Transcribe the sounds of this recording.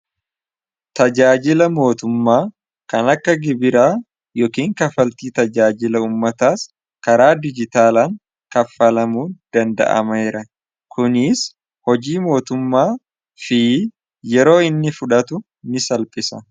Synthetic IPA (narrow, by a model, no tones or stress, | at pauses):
t̪ɐd͡ʒaːd͡ʒɪlɐmo̞ːt̪ʊmːaː | kɐnɐkːɐɡɪbɪɾaː | jɔkiːŋkɐfɐlt̪iːt̪ɐd͡ʒaːd͡ʒɪlɐuːmːɐt̪aːs | kɐɾaːd̪ɪd͡ʒɪt̪aːlaːŋ | kɐfːɐlɐmuːd̪̥ɐnd̪ɐ̰ʔɐ̰mɐɪɾɐ | kʰʊnɪs | hɔd͡ʒiːmo̞ːt̪ʊmːaː | fɪ | jɛɾo̞ːɪnːɪfʊᶑɐt̪ʊ | nɪsɐlpʼɪsɐ